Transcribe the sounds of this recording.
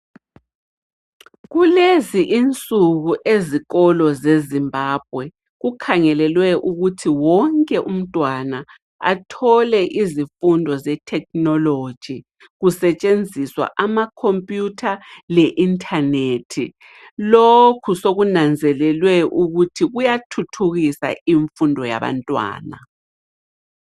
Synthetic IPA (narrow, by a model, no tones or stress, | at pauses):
ɣuleziʔint͡sʼuɣuʔeziɣɔlɔzezimbʱaːb̥̚ʱwɛ | ɣukʰaŋɛlɛlwɛʔuɣutʰiwɔŋkʼɛʔum̩tʼwana | a̰tʰɔlɛʔizifundʱɔzɛtʰɛk̚nɔlo̥ʒ̥ʱi | ɣusɛt͡ʃʼend͡zʱiswa̰ʔamakʰompʼjutʰalɛʔintʰʼanetʰi | lokʰusoɣunand͡zʱɛlɛlwɛʔuɣutʰiɣujatʰutʰuɣisa̰iɱfundʱɔja̰βa̰ntʼwa̰ːna̰